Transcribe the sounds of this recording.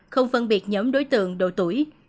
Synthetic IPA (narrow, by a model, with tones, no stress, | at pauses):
xə˧wŋ͡mfə˧nɓi˨˩ət̚ɲɔː˨˦mɗo˨˦jt̪ɨ̰˧˨əŋɗo̰˧˨˩t̪u˧˩əj